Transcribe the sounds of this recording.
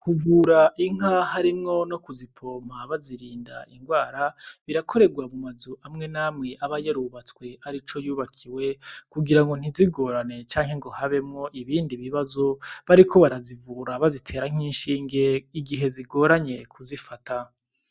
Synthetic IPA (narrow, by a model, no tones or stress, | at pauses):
kuvuːɾaʔiŋ̥ahaɾimŋo̞no̞kuzipʰo̞ːm̥̤aβaziɾiːnda̰ʔiŋɡwaːɾaβiɾakʰo̞ɾe̞ɡwamumazuʔamŋe̞naːmŋe̞ʔaβajeɾuβat͡skwe̞aɾit͡ʃo̞juːβakʰiwekuɡiɾaŋɡo̞n̥iziɡo̞ːɾane̞t͡ʃaːŋhe̞ŋɡo̞haβe̞mŋo̞ʔiβiːndiβiβazo̞βaɾikʰo̞βaɾazivuːɾaβazitʰe̞ːɾaŋ̥iːnʃiːŋɡe̞iɡiɦe̞ziɡo̞ːɾaɲe̞kʰuzifata